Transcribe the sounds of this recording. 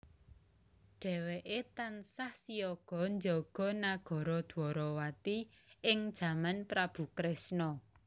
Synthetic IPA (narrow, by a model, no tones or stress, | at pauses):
ɖ̥ɛ̤weʔet̪ansahsijɔɡ̥ɔ̤ɲd͡ʒɔɡ̥ɔ̤naɡ̥ɔ̤ɾɔd̪̥ɔɾɔwat̪iɪŋd̥ʒ̥ä̤manpɾab̥ṳkɾesnɔ